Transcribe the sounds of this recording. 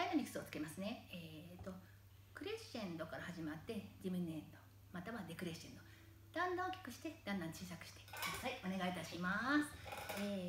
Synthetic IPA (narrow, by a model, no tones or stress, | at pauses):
d̪ainomʲikɯ̥sɨo̞t͡sɨ̥ke̞masɨne̞eːt̪ːo̞ | kɯ̟ɾe̞ɕẽnd̪o̞kaɾahaʑimat̪ːe̞d͡ʑiminːẽ̞nd̪o̞ | mat̪aβad̪e̞kɯ̟ɾe̞ɕẽnd̪o̞ | d̪̥ãnd̪ãokʲḁk̟ɕi̥t̪e̞d̪̥ãnd̪ãɲ̟t͡ɕiːsakɯ̟ɕi̥t̪e̥kɯd̪asaio̞ne̞ɡait̪aɕimasɨ̥eː